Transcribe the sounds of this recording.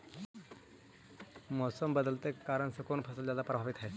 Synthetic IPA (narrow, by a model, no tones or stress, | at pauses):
mɔːsəmbəd̪əlt̪ekaːɾəɳsəkoːnpʰəsəld͡ʑjad̪apɾəbʱaʋit̪ɦe